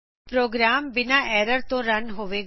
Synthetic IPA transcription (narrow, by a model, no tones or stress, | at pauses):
pɾoːɡɾaːmbɪnaːʔɛːɾəɾt̪õːɾənɦoːʋeː